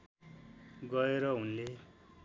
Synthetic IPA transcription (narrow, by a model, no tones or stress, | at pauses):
ɡʌeɾʌɦunle